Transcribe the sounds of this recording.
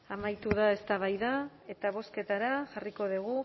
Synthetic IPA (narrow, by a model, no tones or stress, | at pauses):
amajt̪uðae̞st̪aβajða | e̞t̪aβ̞o̞ske̞t̪aɾaʝariko̞ð̞iɣ̞u